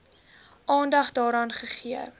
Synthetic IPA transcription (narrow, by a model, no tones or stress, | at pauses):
ʔɑːndɐχdɑːɾɑːnχəχiə